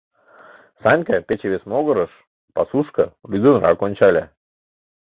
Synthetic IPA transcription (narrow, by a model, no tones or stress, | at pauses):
sɑnʲkəpʲet͡ɕeβʲesmoɣə̆ɾəʃ | pɑsuʃkəlʲyd̪ɨnrɑ̰konʲt͡ɕɑlʲæ